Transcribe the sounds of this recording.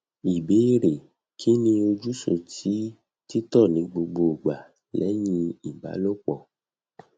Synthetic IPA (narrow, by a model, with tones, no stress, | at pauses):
i˨be˨˦i˦ɾe˨ | kʰi˦nĩ˧o˧d͡ʒu˦so˧tʰi˨˦ | ti˦tɔ˦˨nĩ˨˦ɡ͡bo˧ɡ͡bo˧˨ɡ͡ba˨ | lɛ˨˦jĩ˧i˨ba̰˨˦lo˦k͡pɔ˧˨